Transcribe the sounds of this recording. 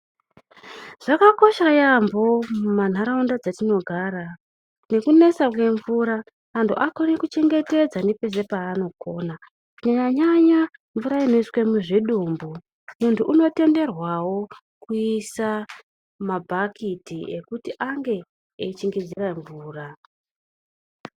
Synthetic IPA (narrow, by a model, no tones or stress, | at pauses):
ʐ̥akako̞ʃajambomuman̤aɾaundad͡zatino̞ɡʱaːɾa | ne̞kune̞sak̬we̞ɱvuɾaː | ntʰuʔako̞nekut͡ʃeŋɡe̞te̞d͡zanepe̞s̬e̞paːno̞koːna | uɲaɲaɲaɲaɱvuɾaino̞iswemuʐiɗumbu | nunduʔuno̞te̞nde̞rwawo̞ | kuisa | mabʱakʰitiekutiʔaŋɡe̞ | eit͡ʃiŋɡid͡ziraɱvuːra